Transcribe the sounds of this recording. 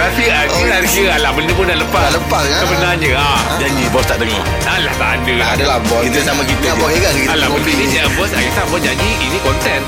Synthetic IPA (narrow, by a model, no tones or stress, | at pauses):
əɾapia | ilasɡəalahbəndəpudaʔləpaaləpassəbənaɲəa | d͡ʒad͡ʒibɔst̪aʔd̪əŋɔ̰h | alaht̪aʔadəadalahbɔsit̪əsamakit̪aabɔeɡakkialabəndədiabɔsajisabɔsd͡ʒad͡ʒiinĩkɔnt̪ɛn